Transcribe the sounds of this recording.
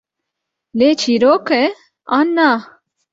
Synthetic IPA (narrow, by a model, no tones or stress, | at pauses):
let͡ɕʰiɾoːke | anːa